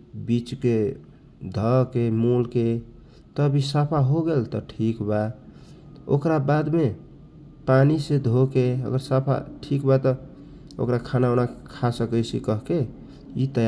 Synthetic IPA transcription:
bit͡ʃke | d̪ʱəkemulke | t̪əbʱisapʰaɦoɡelt̪ɔʈʰikba | o̰kɾabad̪me | panised̪ʱokeə̰ɡəɾsapʰa̰ʈʰikbat̪ɔ | o̰kɾakʰanaonakʰasəkəjsḭkəɦke | it̪əj

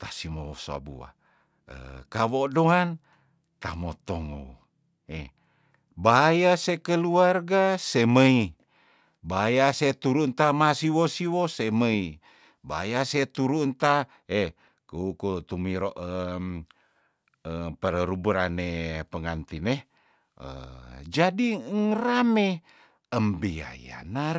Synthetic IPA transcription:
t̪asimoosa̰bṵwa̰ | ə̰kawodoɦan | t̪amot̪oŋo̰ | e | bajasekəluarɡaseməi | bajaset̪uɾunt̪amasiwosiwoseməi | ba̰jaset̪uɾunt̪a | e | kuukut̪umiɾoʔə | əpəɾəɾubuɾanepəŋant̪ine | ə̰d͡ʒadiŋrame | əmbia̰ja̰na

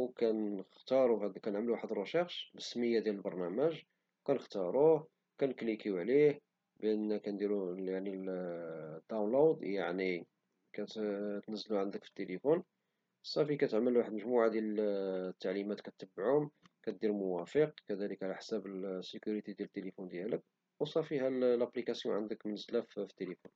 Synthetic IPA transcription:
wkænəxt̪ɑɾˤuhæd̪kænəʕmluwaħəd̪ɾˤɑʃɑxʃbəsməjːad̪jæləlbɑɾˤnæməʒ | kænəxt̪ɑɾˤuh | kænklikiʕlih | bʔənːækænd̪iɾujaʕnil | d̪ːawnlod̪jaʕni | kæt̪t̪nəzːluʕənd̪əkfi̥t̪ːelefun | əsˤːɑfikæt̪əʕməlwaħəd̪məʒmuʕad̪jælət̪ːaʕlimæt̪kæt̪ːəbːʕʊm | kæt̪d̪iɾmʊwæfəqkæd̪æləkʕalæħsæbəsːekuɾit̪id̪jælət̪ːelifund̪jælək̚ | wsˤɑfiɦællæplikæsjuʕənd̪əkmənəzːlæffi̥t̪ːelifun

